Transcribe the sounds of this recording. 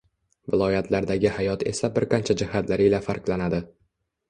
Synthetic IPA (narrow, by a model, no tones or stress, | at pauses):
vɪlˠɒjat̪ʰlaɾd̪aɡʲɪhajɒt̪ʰe̞̰sabɪɾqʰɑnt͡ʃʰad͡ʒɪhat̪ʰlaɾɪlafaɾqlˠanad̪ɪ